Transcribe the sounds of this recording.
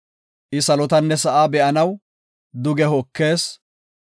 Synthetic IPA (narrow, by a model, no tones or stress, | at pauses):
ʔɪsɐlɔt̪ɐnːɛsɐʔaːbɛʔɐnɐw | d̪ʊɡɛɦɔkːe̞ːs